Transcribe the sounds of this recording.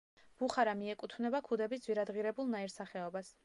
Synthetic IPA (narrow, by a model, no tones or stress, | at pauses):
b̥uχaɾamiɛkʼut̪ʰvnɛbakʰud̪ɛbisd̪zvwiɾad̪ʁiɾɛbulˠnaiɾsaχɛɔbas